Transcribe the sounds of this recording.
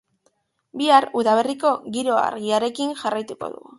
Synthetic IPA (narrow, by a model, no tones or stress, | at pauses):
biaruðaβ̞e̞riko̞ɣiɾo̞a̰ɾɣiaɾe̞kinʝarajt̪uko̞̰ðṵɣu